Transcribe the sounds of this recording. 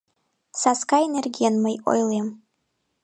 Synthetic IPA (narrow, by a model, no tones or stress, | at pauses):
saskaenerɡʲijanmajʔo̰jlem